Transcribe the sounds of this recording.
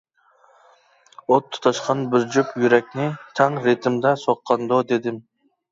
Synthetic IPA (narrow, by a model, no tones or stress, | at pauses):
ot̪ʰːʊ̥t̪ʰɑʃqɑnbɪɾd͡ʒupjyɾɛk̚ʲnɪt̪ʰæŋɾet̪ʰɪmd̪ɛsoqʰːɑnd̪od̪ed̪ɪm